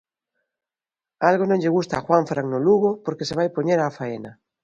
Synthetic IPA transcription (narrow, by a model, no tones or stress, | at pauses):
alɣonõŋʎeɣ̞ust̪aːxwaɱfɾaŋnoluɣopoɾkeseβajpoɲeɾaːfaena